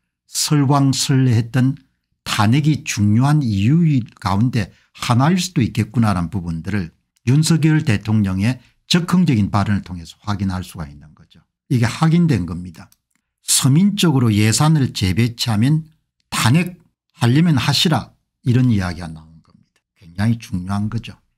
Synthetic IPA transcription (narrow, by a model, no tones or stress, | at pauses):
sʰʌɭɡwaŋsʰɯɭːeɦet̚t͈ʌn | taneɡit͡ɕuŋɲoɦanijuika̰unde̞ | hanaiɭs͈udoik͈e̞t̚k͈unaɾanpubundɯɾɯɭ | junsʰʌɡjeɯɭte̞tʰoŋɲʌŋe̞ | t͡ɕʌkʰʌŋd͡ʑʌɡinpaɾɯnɯɭtʰoŋɦe̞sʰʌ̥ɸwaɡinɦaɭs͈uɡa̰inːɯnɡʌd͡ʑo | iɡe̞hwaɡindwe̞nɡʌmɲida | sʰʌmint͡ɕ͈ʌɡɯɾoje̞sʰanɯɭt͡ɕe̞be̞t͡ɕʰiamjʌn | tanek̚ | haʎːʌmjʌnhaɕʰiɾa | iɾʌnijaɡiɡana̰unɡ̥ʌmɲid̥ḁkwe̞ŋd͡ʑaŋit͡ɕuŋɲoɦanɡʌd͡ʑo